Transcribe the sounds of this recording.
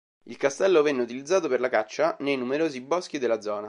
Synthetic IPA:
ilkast̪ɛlːovɛnːeut̪ilid̪zːaːt̪operlakat͡ʃːanejnumeɾoːzibɔsk̟id̪elːad̪zːɔːna

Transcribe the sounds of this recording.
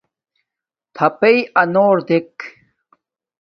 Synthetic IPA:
t̪ʰɐpeiɐnoːɾd̪ek

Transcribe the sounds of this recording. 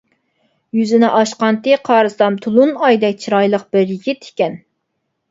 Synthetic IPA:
jyzɪnɪʔɑʃqɑnt̪ɨqʰɑːɾɨsɑmt̪ʰulˠunɑjd̪ɛk̚ʲt͡ʃʰiɾɑjlˠəq̚b̥ɪɾjiɡʲit̪ʰi̥kʲɛn

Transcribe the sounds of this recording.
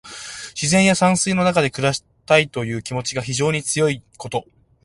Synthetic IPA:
ɕizẽ̞ɰ̃jasãɰ̃sɨino̞nakad̪e̞kɯ̟ɾaɕi̥ | t̪ait̪o̞jɯ̟ːkʲimo̞t͡ɕiɡaçiʑo̞ːɲ̟it͡sɨjo̞iko̞t̪o̞

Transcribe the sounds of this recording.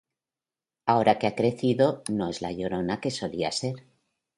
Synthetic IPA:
ao̞ɾakeakɾe̞θiðo̞no̞e̞zla̰ʎo̞ɾo̞nake̞so̞lia̰se̞ɾ

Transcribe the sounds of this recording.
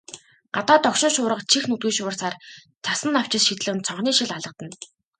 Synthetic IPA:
ɢat̪aːt̪ɔkʃɪ̆nʃʊːɾə̆qt͡ɕʰixnɵt̪ɡŭːʃʊːrsaːr | t͡sʰasə̆nːaw̥t͡ɕɪ̆sʃit̪ɮɘ̆ɘ̆nt͡sʰɔɴχniːʃiɮaɮə̆q̚t̪ə̆n

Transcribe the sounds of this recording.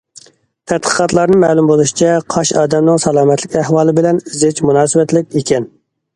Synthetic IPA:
t̪ʰæt̪̚qʰə̥qɑt̪lˠɑɾnɨmɛːlˠumbolˠuʃi̥t͡ʃʰɛqʰɑʃɑːd̪ɛmnɪŋsɑlˠɑːmɛt̪ʰlɪkʲæhwɑːlˠɨbɪlɛnizɪt͡ʃmunɑːsɨwɛt̪lɪk̚ʲekʲɛn

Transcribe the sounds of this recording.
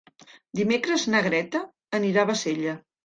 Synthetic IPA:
d̪imekɾəznəɣɾɛt̪əː | niɾaβ̞əseʎə

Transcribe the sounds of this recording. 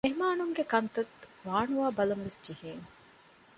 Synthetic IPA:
meɦmaːnuŋɡekɐnt̪ɐt̪ʋaːɳuʋaːbɐlɐmʋesd͡ʒiheːŋ

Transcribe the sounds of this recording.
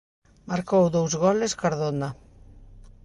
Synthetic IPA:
maɾkowðowzɣɔleskaɾðona

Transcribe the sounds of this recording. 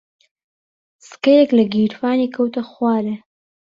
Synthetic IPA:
skajeklaɡiɾfɑːnikʰowt̪axwɑɾe

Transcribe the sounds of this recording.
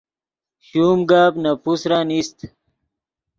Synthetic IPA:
ɕuːmɡaːbnɐpusɾanist̪

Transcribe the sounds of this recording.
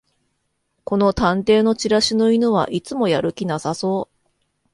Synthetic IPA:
ko̞no̞t̪ãnt̪e̞ːno̞t͡ɕiɾaɕinoinɯβ̞a̰ʔit͡sɨmo̞jaɾɯ̟kʲinasaso̞ː

